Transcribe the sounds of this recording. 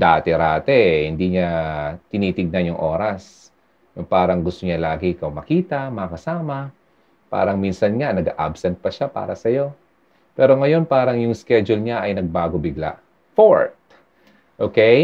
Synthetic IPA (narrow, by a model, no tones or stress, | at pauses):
d̪aːt̪ɛɾaːt̪ɛhɪnd̪iɲat̪ɪniːt̪ɪɡ̚nɐnjʊŋʔo̞ːɾɐs | nʊpaːɾɐŋɡʊst̪oɲɐlaːɡɛʔɪkawmɐkiːt̪ɐmɐɐkɐsaːmɐ | pa̰ːɾɐŋminsɐnŋanɐɡaʔa̰bsɛnt̪̚pɐʃapa̰ːɾɐ̰sɐjo̞ | pɛːɾo̞ŋɐjo̞npaːɾɐŋjʊŋskɛd͡ʒʊlɲaʔɐjnɐɡ̚baːɡo̞bɪɡla̰ʔ | foɹt̪̚ | ʔoːkɛj